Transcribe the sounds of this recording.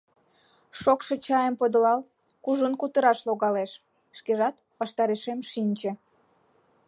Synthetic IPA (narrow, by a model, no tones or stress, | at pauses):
ʃokʃet͡ɕɑjəmpod̪əlɑl | kuʒənkut̪əɾɑʃloɣɑleʃː | keʒɑt̪ | pɑʃt̪ɑɾeʃemʃinʲt͡ɕĕ